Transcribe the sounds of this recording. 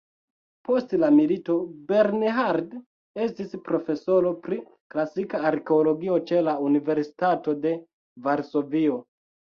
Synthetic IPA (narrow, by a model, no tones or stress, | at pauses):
po̞stlamilito̞be̞ɾneɦaɾd | e̞stispɾo̞fe̞so̞ɾo̞pɾi | klasikaːɾke̞oloɡio̞t͡ʃe̞launive̞ɾsi̥tato̞de̞ | vaɾso̞vio